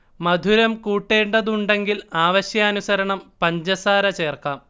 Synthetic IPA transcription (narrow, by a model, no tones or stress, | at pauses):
mɐd̪ʱuɾɐmkuːʈːeːɳɖɐðuɳɖe̞ŋɡilaːʋɐɕjɐːnusɐɾɐɳɐmpɐɲd͡ʑɐsaːɾɐt͡ɕe̞ːrkɐm